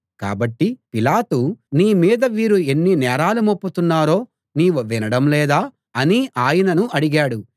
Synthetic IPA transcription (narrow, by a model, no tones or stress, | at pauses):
ka̰ːbɐʈːipilaːt̪uniːmiːd̪ɐʋiːɾue̞nːinɛːɾaːlumopːut̪unːaːɾo̞ː | niːʋuʋinɐɽɐmlɛːd̪aː | ɐniʔaːjɐnɐnuɐɽiɡaːɽu